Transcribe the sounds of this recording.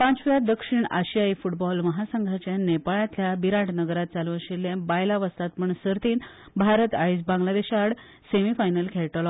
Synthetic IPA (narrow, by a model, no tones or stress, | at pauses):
pãt͡sʋad̪əkʂiɳaɕijaifuʈbɔlməɦasəŋɡʱat͡ɕjanepaɭat̪ljabiɾaʈʰnəɡəɾat̪̚t͡saluəɕelːjãbajlaʋəst̪at̪pəɳsəɾt̪iːn | bʱaɾət̪ajsbãŋɡlad̪eɕaɽ | semifajnəlkʰeɭʈlɔ